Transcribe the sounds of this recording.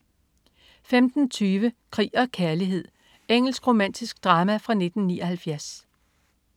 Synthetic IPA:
femd̥n̩t͡sʰyːʋəkʰʁḭːɒ̽kʰæɐliɦe̝ð̰ˠ | eŋ̰l̩sɡ̥ʁo̝mæn̰d̥isɡ̥d̥ʁɑ̈ːmæfʁɑ̈ne̝d̥n̩niːɒhælfjæɐs

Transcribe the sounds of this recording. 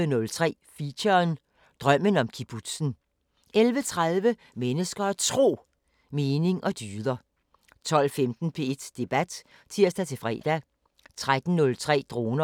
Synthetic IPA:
ənɔ̽lt͡sʰʁɛ̰ːfiɕɐn | d̥ʁɶm̰ənɒ̽mkʰib̥ʰud̥sn̩ | elʋət͡sʰʁaðˠʋə | menəsɡ̥ɐt͡sʰʁo̝̰ː | meːne̝ŋʔɒ̽d̥yːðˠɐ | t͡sʰɒ̽l̰femd̥n̩pʰe̝ed̥d̥e̝b̥æd̥ | t͡sʰiɐ̰sd̥æt͡sʰe̝fʁɛ̰ːd̥æ | t͡sʰʁad̥n̩nɔ̽lt͡sʰʁɛ̰ːd̥ʁo̝ːnɐ

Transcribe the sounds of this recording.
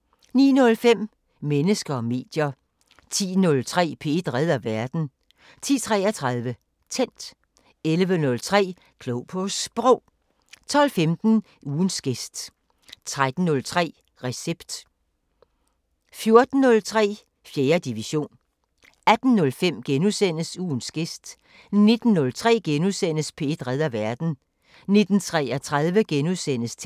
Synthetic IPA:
nḭːnɔ̽lfem̰ | menəsɡ̥ɐɒme̝̰ːd̥jɐ | t͡sʰḭːnɔ̽lt͡sʰʁɛ̰ːpʰe̝̰d̥ʁɛð̞̰ˠɐʋæɐd̥n̩ | t͡sʰḭːt͡sʰʁɛːɐt͡sʰʁɑðˠʋə | t͡sʰen̰d̥ | elʋənɔ̽lt͡sʰʁɛ̰ː | kʰloʊpʰosb̥ʁɔʊ̰ | t͡sʰɒ̽l̰femd̥n̩ | uːn̩sɡ̥e̝sd̥ | t͡sʰʁad̥n̩ːɔ̽lt͡sʰʁɛ̰ː | ʁɛseb̥d̥ | fjo̝ɐd̥n̩ːɔ̽lt͡sʰʁɛ̰ː | fjeːɐd̥iʋiɕo̝̰ːn | æd̥n̩nɔ̽lfem̰ɡ̥enusen̰əsuːnsɡ̥e̝sd̥ | ne̝d̥n̩ːɔ̽lt͡sʰʁɛ̰ːɡ̥enusen̰əspʰe̝d̥ʁɛð̞ˠɐʋæɐd̥n̩ | ne̝d̥n̩t͡sʰʁɛæt͡sʰʁað̞ˠʋəɡ̥enusen̰əst͡sʰ

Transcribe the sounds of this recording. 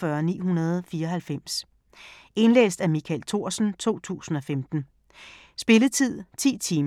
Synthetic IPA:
ɶɐnḭːɦunɐð̞ˠfiːɐɒ̽ɦælfem̰s | e̝nlḛːsd̥æmikʰælt͡sʰo̝ɐ̰sn̩t͡sʰo̝̰ːt͡sʰṵːsn̩ɒ̽femd̥n̩ | sb̥e̝lət͡sʰið̰ˠt͡sʰḭːt͡sʰiːm

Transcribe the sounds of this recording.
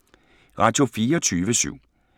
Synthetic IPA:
ʁɑ̈ːd̥jo̝fiːɐɒt͡sʰyːʋəsy̰ʊ̰

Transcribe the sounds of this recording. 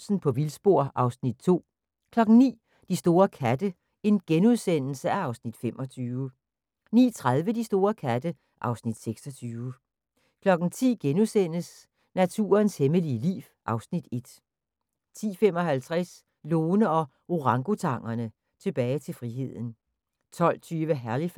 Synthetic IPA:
sn̩pʰɒ̽ʋilsb̥o̝ɐ̰ʔɑ̈ʊsnid̥̚t͡sʰo̝̰ː | kʰlɒ̽ɡ̥n̩nḭː | d̥isd̥o̝ːɐkʰæd̥ə | e̝nɡ̥enuð̞ˠsen̰l̩səæɑ̈ʊsnid̥femʔɒ̽t͡sʰyːʊ | nḭːt͡sʰʁað̞ˠʋəd̥isd̥o̝ːɐkʰæd̥ə | ʔɑ̈ʊsnid̥seɡ̥sɒ̽t͡sʰyːʊə | kʰlɒ̽ɡ̥n̩t͡sʰḭːɡ̥enuðˠsen̰əs | næt͡sʰṵːɐnsheməliəlḭːʋʔɑ̈ʊsnid̥e̝d̥ | t͡sʰḭːfem̰ɒ̽ɦælt͡sʰʁɛs | loːnəɒ̽ | oʁɑ̈ŋɡ̥o̝t͡sʰɑ̈ŋ̰ɐnə | t͡sʰe̝b̥ɛːɪt͡sʰe̝lfʁiɦe̝ð̞̰ˠn̩ | t͡sʰɒ̽l̰t͡sʰyːʋəɦæɐli

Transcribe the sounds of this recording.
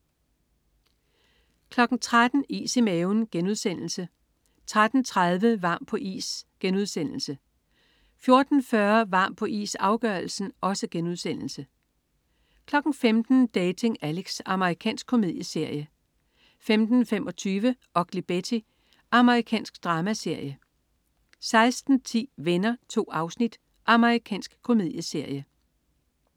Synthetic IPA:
kʰlɒ̽ɡ̥n̩t͡sʰʁad̥n̩ḭːsemeʊnɡ̥enuð̞ˠsen̰l̩sə | t͡sʰʁad̥n̩t͡sʰʁað̞ˠʋəʋɑ̈ːmpʰɒ̽ʔḭːsɡ̥enuð̞̰ˠsen̰l̩sə | fjo̝ɐd̥n̩fɶɐʋɑ̈ːm̰pʰɒ̽ʔḭːsɑ̈ʊɡ̥ɶɐlsn̩ʔɒ̽səɡ̥enuð̞ˠsen̰l̩sə | kʰlɒ̽ɡ̥n̩femd̥n̩d̥ɛːt͡sʰe̝ŋæleɡ̥sɑ̈məʁikʰɛ̰ːnsɡ̥̚kʰo̝me̝ð̰ˠjəse̝ɐ̰jə | femd̥n̩fem̰ʔɒ̽t͡sʰyːʋəʔɒ̽ɡ̥lib̥et͡sʰi | ʔɑ̈məʁikʰɛ̰ːnsɡ̥d̥ʁɑːmæse̝ɐ̰jə | sɑ̈ɪsd̥n̩t͡sʰḭːʋenɐt͡sʰo̝̰ːɑ̈ʊsnid̥ | ʔɑ̈məʁikʰɛ̰ːnsɡ̥kʰːo̝me̝ð̞ˠjəse̝ɐ̰jə

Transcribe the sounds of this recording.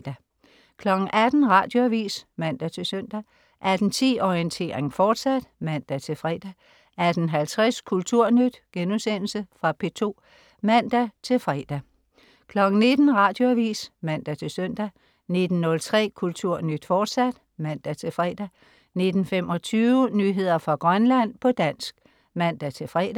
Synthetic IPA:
d̥æ | kʰlɒ̽ɡ̥ŋ̩ʔæd̥n̩ʁɑ̈ːd̥joæʋḭːsmæn̰d̥æt͡sʰe̝søn̰d̥æ | ʔæd̥n̩t͡sʰḭːɒiənt͡sʰe̝̰ːʁeŋfɒːd̥sæd̥mæn̰d̥æt͡sʰe̝lfʁɛːd̥æ | æd̥n̩ɦælt͡sʰʁɛskʰult͡sʰuɐ̰nyd̥ɡ̥ensen̰l̩səfʁɑ̈pʰe̝t͡sʰo̝̰ː | mæn̰d̥æt͡sʰe̝lfʁɛd̥æ | kʰlɒ̽ɡ̥n̩ne̝d̥n̩ʁɑ̈ːd̥jo̝æʋḭːsmæn̰d̥æt͡sʰe̝lsœn̰d̥æ | ne̝d̥n̩nːɔ̽lt͡sʰʁɛ̰ːkʰult͡sʰuɐ̰nyd̥fɒːd̥sæd̥ | mæn̰d̥æt͡sʰe̝fʁɛ̰d̥æ | ne̝d̥n̩femɒ̽t͡sʰyːʊnyːɦe̝ð̞̰ˠɐfʁɑ̈ɡ̥ʁɶnlæn̰pʰɒ̽d̥æn̰sɡ̥ | mæn̰d̥æt͡sʰe̝fʁɛːd̥æ

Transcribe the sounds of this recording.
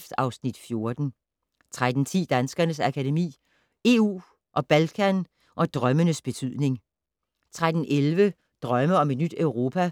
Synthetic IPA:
fd̥ɑ̈ʊsnid̥fjo̝ɐd̥n̩ | t͡sʰʁad̥n̩t͡sʰḭːd̥ænsɡ̥ɐnəsækʰædemḭː | e̝ṵː | ʔɒ̽b̥ælkʰæn | ʔɒ̽d̥ʁɶmənəsb̥e̝t͡sʰyð̰ˠne̝ŋ | t͡sʰʁad̥n̩ʔelʋə | d̥ʁɶməɒ̽me̝d̥nyd̥œʊʁo̝ːpʰæ

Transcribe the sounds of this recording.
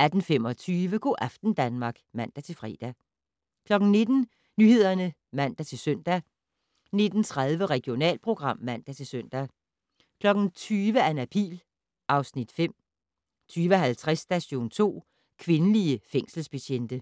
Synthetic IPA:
æd̥n̩fem̰ɒ̽t͡sʰyːʋəɡ̥o̝ːʔæfd̥n̩d̥ænmɑ̈ɡ̥mæn̰d̥æt͡sʰe̝lfʁɛ̰ːd̥æ | kʰlɒ̽ɡ̥n̩ne̝d̥n̩ | nyhe̝ð̞̰ˠɐnə | mæn̰d̥æt͡sʰe̝lsøn̰d̥æ | ne̝d̥n̩t͡sʰʁaðˠʋəʁɛɡ̥jo̝nɛ̰ːlpʰʁo̝ɡ̥ʁɑ̈m̰ːæn̰d̥æt͡sʰe̝søn̰d̥æ | kʰlɒ̽ɡ̥n̩t͡sʰyːʋəænæpʰḭːl | ʔɑ̈ʊsnid̥fem̰ | t͡sʰyːʋəɦælt͡sʰʁɛsd̥æsoːn̩t͡sʰo̝̰ː | kʰʋe̝nəliəfeŋ̰sl̩spæɕend̥ə

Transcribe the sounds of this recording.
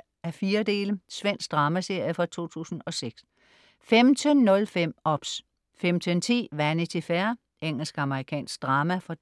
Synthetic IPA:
æfiːɐd̥e̝̰ːləsʋen̰sɡ̥̚d̥ʁɑ̈ːmæse̝ɐ̰jəfɒ̽t͡sʰo̝̰ːt͡sʰṵːsn̩ɒ̽seɡ̥s | femt͡sʰənːɔ̽lfem̰ɒ̽b̥s | femt͡sʰənt͡sʰḭːʋænət͡sʰe̝fæɐ | eŋ̰l̩sɡ̥ɑ̈məʁikʰɛ̰ːnsɡ̥̚d̥ʁɑ̈ːmæfɒ̽

